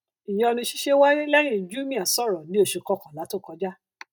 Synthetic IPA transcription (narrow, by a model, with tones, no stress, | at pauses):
i˨j̃ɔ̃˧nĩ˧˦ʃi̥˦ʃe˦wa˦je˦lɛ˦j̃ĩ˦˨d͡ʒu˦mĩ˦˨a˨sɔ˦˨ɾɔ˨nĩ˨˦o˦˨ʃe˧kɔ˧˦kɔ̃˨la˨˦to˦˨kɔ˧˦d͡ʒa˦